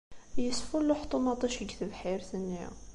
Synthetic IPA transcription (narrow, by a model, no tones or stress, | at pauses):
jəsfulːuħə̥t̪ˤːumɑt̪ˤiʃəɡθəbħiɾt̪ənːjæ̰